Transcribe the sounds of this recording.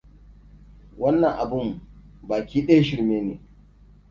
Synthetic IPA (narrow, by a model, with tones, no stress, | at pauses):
wɐ˦nːɐ˨ŋʔa˨bʊ˦mbaː˨kʲiː˦ɗɐ˦ja˦ʃɪ˦ɾmeː˦nḛː˨